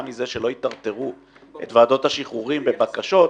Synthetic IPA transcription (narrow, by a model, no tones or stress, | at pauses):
mize̞ʃelo̞it̪aʁt̪e̞ʁu | ʔet̪vaːd̪o̞t̪haʃiχuʁimbebakaʃo̞t